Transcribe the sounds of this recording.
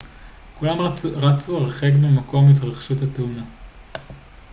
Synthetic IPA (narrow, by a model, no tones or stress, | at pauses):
kulamʁat͡suaʁχe̞kbemako̞mit̬ʁaχʃuthateuna